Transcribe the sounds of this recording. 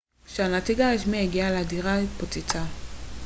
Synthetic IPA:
ʃeanatiɡaeʃmieɡialeadiʁaipot͡sit͡sa

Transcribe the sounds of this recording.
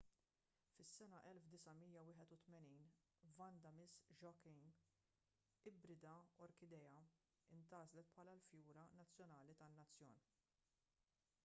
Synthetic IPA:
fɪsːɛnɐʔɛlfd̪ɪsɐmiːjɐwɪːħɛt̪ʊt̪mɛniːn | vɐnd̪ɐmɪsʒɔkɪŋ | ɪbɾɪd̪ɐɔɾkɪd̪ɛjɐ | ɪnt̪ɐːzlɛt̪̚pʰħɐːlɐlfjuːɾɐnɐt͡sːjɔnɐːlit̪ɐnːɐt͡sːjɔːn

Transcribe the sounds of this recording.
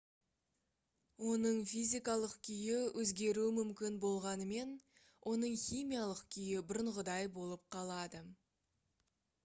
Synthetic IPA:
wo̞nəɴfijzʲijkɑlˠəqkʲʰʏjɪwʔɵzɡʲe̞ɾuɪmʏmkʲɪnbo̞lˠʁɑnəme̞n | wʔo̞nəɴχijmijalˠəqkʲʰʏjɪbɪɾəɴʁəd̪ɑjbo̞lˠəp̚qʰɑlˠɑd̪ə

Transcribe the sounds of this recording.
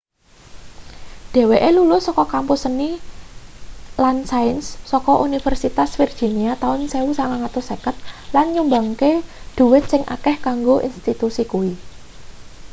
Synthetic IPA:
d̥e̤weʔelulʊsɔkɔkampusəni | lansajnsːɔkɔʔunifərsit̪asfird̥ʒ̥i̤niat̪aʊnseusaŋaŋat̪usekət̪̚lanɲumbaŋkeɖ̪̥ṳwɪt̪̚sɪŋʔa̰kɛhkaŋɡoʔḭnst̪it̪usikuwi

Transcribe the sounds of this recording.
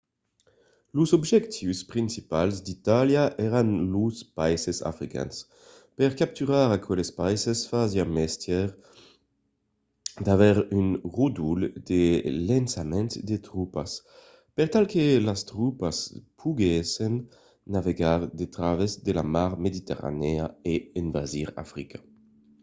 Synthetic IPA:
luzɔbʒɛkt̪ʰiwspʁinsipalzd̪it̪aljaʔɛɾanluspajsesa̰fɾika̰ns | pɛʁkap̚t̪yʁaɾakʰwɛlespajsesfazjamɛst̪jɛʁ | d̪avɛʁynʁud̪uld̪elɛnsamɛ̃nt̪d̪et̪ʁupa̰s | pɛʁt̪alkelast̪ʁupaspʰuɡɛsenː | aveɡaʁd̪et̪ɾavezd̪elamaʁmed̪it̪eʁa̰neaeenvaziʁa̰fɾikḁ

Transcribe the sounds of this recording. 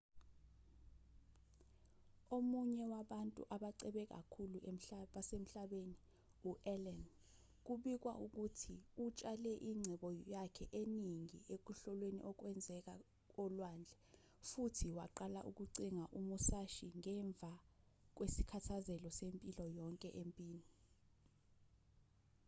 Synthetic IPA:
omuɲɛwaɓantʼṵʔaɓaǀɛɓɛk̬a̰kʰuluem̩ɓasem̩ɬaɓeni | uʔɛlɛn | k̬uɓik̬wa̰ʔuk̬utʰiut͡ʃʼalɛʔiŋ͡ǀʱɛɓɔjakʰɛʔeniŋiek̬uɬɔlwenḭʔɔk̬wɛnd͡zʱɛk̬a | k̬ɔlwaːnd͡ɮʱɛ | futʰiwa̰ǃala̰ʔuk̬uǀiŋaʔumusaʃiŋɛɱb̪vʱa | k̬wesi̥kʰatʰazɛlɔsempʼilɔjɔŋkʼɛʔempʼiːni

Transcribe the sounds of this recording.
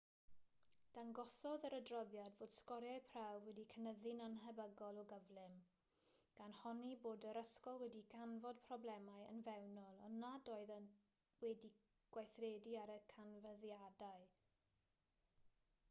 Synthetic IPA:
d̥anɡɔsɔðəɾədrɔðjadvoːd̥skɔɾjajpʰrawwɛdikʰənəðɪnanɦɛbəɡɔlˠɔɡəvlˠɪm | ɡ̥anhɔniboːdəɾəskɔlˠwɛdiɡ̥anvɔd̥̚pʰrɔblɛmaɨə̰nvɛwnɔlˠɔnadoɨðən | wɛdi | ɡ̥wajθrɛdiaɾəkʰanvəðjadaɨ

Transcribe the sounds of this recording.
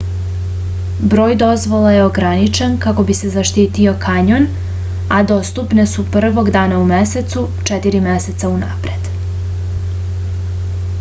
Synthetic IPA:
bɾo̞ːjd̪o̞zʋo̞lajeo̞ɡɾanit͡ʃenkako̞bise̞zaʃt̪iːt̪io̞kaɲon | ad̪o̞st̪upne̞supr̩ʋo̞ɡd̪aːnaumese̞t̪su | t͡ʃet̪iɾime̞se̞t̪sauna̰ːpɾe̞d̪̥

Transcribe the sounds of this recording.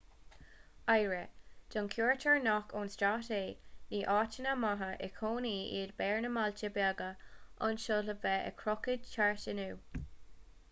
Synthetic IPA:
ajɹɛd̪̥ɔnkʰjuːɹtʰəɹnɔkʰoːnstɹaːteːniːʔɑːt͡ʃənamaɦəʔɛ̰kʰoːniːḭːdbɛːɹnəmalt͡ʃəbaːɡəʔɑnʃoləvɛə̰kʰɹɔkədt͡ʃʰaɹʃənuː

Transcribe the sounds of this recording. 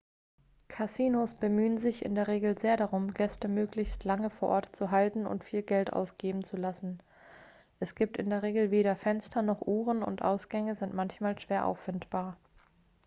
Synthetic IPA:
kʰasiːnosb̥əmyːənzɪçʔɪ̰ndeːɐʁ̞eːɡl̩zeːɐɾaʁʊmɡɛstəmøːklɪçstlaŋəfoːɐʔɔɐtt͡suɦaltn̩ʊ̰ntfiːlɡɛltʔa̰ʊsɡ̥eːbm̩t͡sulasn̩ | ʔɛsɡ̥iːp̚tɪndeːɐʁ̞eːɡl̩veːɾɐfɛnstʰɐnɔχʔuːʁənʊ̰ntʔa̰ʊsɡ̥ɛŋəzɪntmançmaːlʃv̥eːɐʔa̰ʊfːɪntb̥aːɐ

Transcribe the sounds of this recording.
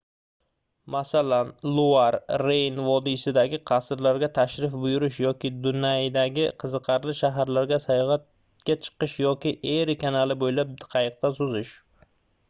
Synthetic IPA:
masalanlˠuaɾːejnvɒd̪isɪd̪aɡʲɪqʰɑsɾlaɾɡʲat̪ʰaʃɾɪfbʊjʊɾɪʃ̬jɒkʲɪd̪ʊnajd̪aɡʲɪqʰɨzɨqʰɑɾlɪʃaɦaɾlaɾɡʲasajɒʁɑt̪ | kʲat͡ʃʰɨ̥qɨʃjɒkʲɪʔeɾɪkʰʲanalɪbojlap̚d̪ɨ̥qʰɑjɨq̚t̪asʊzɪʃ

